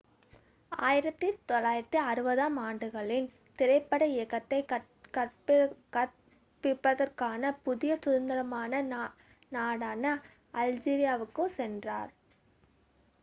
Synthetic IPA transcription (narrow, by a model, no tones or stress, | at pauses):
aːjɪɾɐt̪ːɯt̪ɔlːaːjɪɾɐt̪ːɯɐɾɯbɐðaːmaːɳɖɯɣɐɭɪn | t̪ɪɾɐɪpːɐɽɐɪɛkːɐt̪ːɐɪkɐ | kɐrpkɐ | pːɪpːɐðɐrkaːnɐpʊðɪjɐsʊðɐnd̪ɐɾɐmaːnɐn | naːɽaːnɐ | ʔɐld͡ʒiːɾɪjaːʋɯkːɯsɛndraːɾ